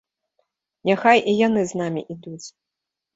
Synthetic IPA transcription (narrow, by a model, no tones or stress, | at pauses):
nʲaxajʔijan̪ɨznamʲḭʔid̪ut͡sʲ